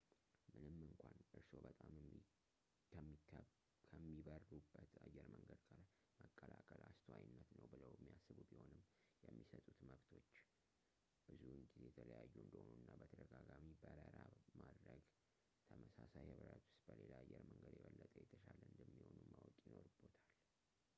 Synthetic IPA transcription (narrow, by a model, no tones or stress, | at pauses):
mɨnɨmːɨŋkʷʰanʔɨɾso̞bət̪ʼam | əmːi | kʰəmːiβərːubːət̪ajːɛɾməŋɡəd̪kʼal | məkʼːəlakʼəlʔast̪ʰwajɨnːət̪nəwbɨləwjɛmːijasːɨβubiho̞nɨmːjɛmːisət̪ʼut̪məβt̪ʰo̞t͡ʃː | b̥ɨzuɨnɡizejɛt̪ʰələjajːuɨnd̪əhonuɨnːabət̪ʰəd̪əɡaɡamibəɾəɾamad̪ɾəɡ | t̪ʰəməsasajhɨβɾat̪ʊ̥st̪bəlelaajːɛɾməŋɡəd̪jɛβəlːət̪ʼəjɛt̪ʰəʃaləɨnd̪əmːiho̞numawɔkʼjino̞ɾɨbot̪ʰal